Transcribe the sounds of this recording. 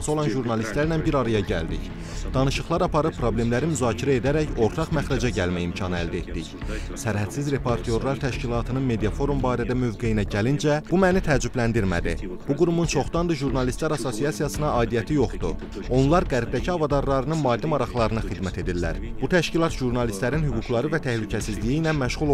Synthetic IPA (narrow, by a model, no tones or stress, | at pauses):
nso̞lˠɑnʒuɾnɑlist̪læɾnænbiɾɑɾɑjɑɟæ̰ld̪ḭç | d̪̥ɑnɯʃɯχlˠɑɾɑpʰɑɾɯpʰːɾo̞ble̞mlæɾimyzɑːcʰiɾæe̞d̪æɾæço̞ɾt̪ʰɑχmæχɾæd͡ʒɑɟælmæjimcʰɑnɯæ̰ld̪æet̪d̪içsæɾhæt̪sizɾe̞pʰoɾt̪ʰijo̞ɾlˠɑɾt̪ʰæʃcilˠɑːt̪ʰɯnɯnme̞d̪ijɑfo̞ɾumbɑːɾæd̪æmø̞vɡe̞jinæɟælind͡ʒæb̥umænit̪ʰæːd͡ʒyblænd̪iɾmæ̰d̪ḭ | b̥uɡuɾumunt͡ʃʰo̞χd̪ɑnd̪ɯʒuɾnɑlist̪læɾɑso̞sijɑsijɑsɯnɑʔɑːd̪ijæt̪ʰijo̞χd̪u | o̞nlˠɑɾɡæɾb̚d̪æcʰiɑvɑd̪ɑɾlˠɑɾɯnɯnmɑːd̪ːimɑɾɑχlˠɑɾɯnɑxid̪mæt̪ʰe̞d̪ilːæ̰ɾbut̪ʰæʃcilˠɑt̪ʒuɾnɑlist̪læɾinhyɡuklˠɑɾɯvæt̪ʰæhlycʰæsizlijijlænmæʃʁulˠ